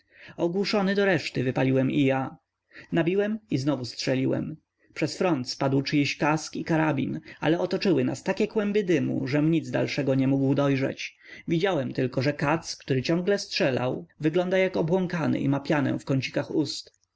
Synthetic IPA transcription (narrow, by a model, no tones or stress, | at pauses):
ɔɡwuʂɔnɘd̪ɔɾɛʂt̪ɘvɘpalʲiwɛmija | nabʲiwɛmiznɔvustʂɛlʲiwɛ̰m | pʂɛsfɾɔnt̪spad̪wt͡ʂɘjɛɕkaskikaɾabʲḭna̰lɛɔt̪ɔt͡ʂɘwɘna̰st̪akʲɛkwɛmbɘd̪ɘmṵʐɛmɲid̪zd̪a̰lʂɛɡɔɲɛmuɡwd̪ɔjʐɛ̰t͡ɕ | vʲid͡ʑawɛmt̪ɘlkɔʐɛkat̪skt̪uɾɘt͡ɕɔ̃ŋɡlɛstʂɛla̰wvɘɡlɔnd̪ajakɔbwɔŋkanɘ̰ʔḭmapʲjanɛ̰fkɔɲt͡ɕi̥kaxust̪